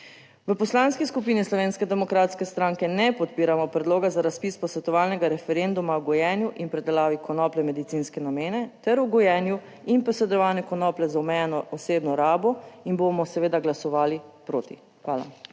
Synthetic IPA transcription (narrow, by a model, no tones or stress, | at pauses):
ʋəpɔslaːnskiskup̬iːnislɔʋeːnskɛd̪ɛmɔkɾaːt̪skɛst̪ɾaːŋkɛnɛpɔt̪piːɾamɔpɾɛd̪loːɡazaɾaspiːspɔsʋɛt̪ɔʋaːlnɛɡaɾɛfɛɾend̪umawɡɔjɛːnjuʔinpɾɛd̪ɛlaːʋikʰɔnɔːplɛmɛd̪it̪sinskɛnameːnɛt̪ɛɾuɡɔjɛnju | inpɔsɛd̪ɔʋaːnɛkɔnɔːplɛzaɔmɛjɛnɔɔseːbnɔɾaːbɔinbomɔsɛʋeːd̪aɡlasɔʋaːlipɾoːt̪ḭ | xʋaːla̰